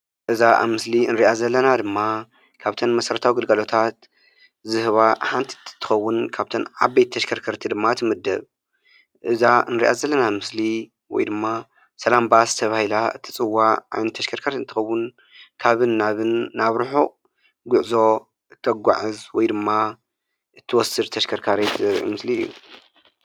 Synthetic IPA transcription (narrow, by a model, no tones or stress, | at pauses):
ʔɨzaʔa̰mɨsliɨnɾiʔazɐlːɐnad̪ɨmːa | kʰaβt̪ʰɐnmɐsɐɾɐt̪ʰawiɡɨlɡɐlo̞t̪ʰat̪ | zɨhɨβaħant̪ʰi̥t̪t̪ʰːɨ̥xɐwːʊnkʰaβt̪ʰɐnʕa̰bejt̪ʰːɐʃkʰɐɾkʰɐɾt̪ʰid̪ɨmːaɨt̪ʰɨmɐd̪ːɐβ | ʔɨzaɨnɾḭʔazɐlːɐnamɨsli | wɔ̰jd̪ɨmːa | sɐlambast̪ʰɐβahilaɨt̪ʰɨt͡sʼɨwːaʔa̰jnɐt̪ʰːɐʃkʰɐɾkʰɐɾt̪ɨnt̪ɨxɐwːʊn | kʰaβɨnːaβɨnːaβɾħu | ɡʊʕzo̞ | ʔɨt̪ʰːɐɡʷa̰ʕɨzwɔjd̪ɨmːa | ʔɨt̪ʰːɨwɔsɨɾt̪ʰɐʃkʰɐɾkʰaɾet̪ʰzɐɾʔḭmɨsliɨjːṵ